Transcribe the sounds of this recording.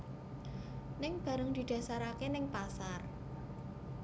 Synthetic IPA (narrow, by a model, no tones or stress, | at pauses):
nɪŋb̥ä̤ɾəŋd̪̥i̤d̪̥ä̤saɾakenɪŋpasar